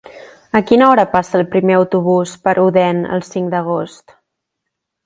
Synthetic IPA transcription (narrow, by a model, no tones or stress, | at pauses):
əkinəɔɾəpasəːlˠpɾimeəwt̪uβ̞uspəɾʔuðɛnə̰lˠsiŋd̪əɣ̞ost̪